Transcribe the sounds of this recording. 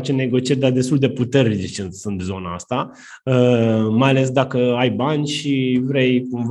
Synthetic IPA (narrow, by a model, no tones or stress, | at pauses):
t͡ʃene̞ɡo̞t͡ʃije̞rʲd̪ard̪est̪uld̪e̞put̪e̞rnit͡ʃet͡ʃensunt̪zo̞na̰a̰st̪a | əmajale̞s̬d̪akəajbanʲʃivɾe̞jkumv